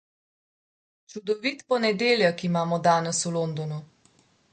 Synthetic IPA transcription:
t͡ʃud̪ɔʋit̪pɔnɛd̪eːljɛkimaːmɔd̪aːnɛsuloːnd̪ɔnu

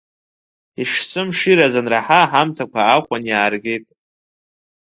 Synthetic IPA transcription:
iʂsɨmʂiɾazanraħaħamtʰakʷʰaːχʷanjaːrɡʲe̞jtʼ

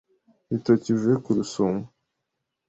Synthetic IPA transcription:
itocivekuɾusomɡu

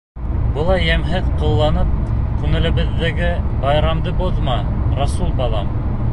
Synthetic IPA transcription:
bɤ̆lˠɑjːæmɦɘðqŏlˠːɑnɤp̚kʉŋɘ̆lɘ̆bɘ̆ðːæɡɘbɑjɾɑmd̪ɤboðmɑɾɑsulˠbɑlˠɑm

